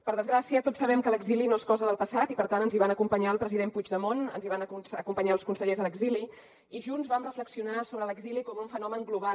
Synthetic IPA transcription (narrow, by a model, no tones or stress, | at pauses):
pəɾðəzɣɾasiət̪otsːəβ̞ɛmkələɡzilinoeskɔzəðəlˠpəsat̪ipəɾt̪anənziβ̞anəkumpəɲaəlˠpɾəziðempud͡ʒðəmonənziβanəkusəkumpəɲaəlˠskunsəʎezələɡzili | iʒunzβamrəfləksiunasoβɾələɡzilikɔmuɱfənɔməŋɡluβa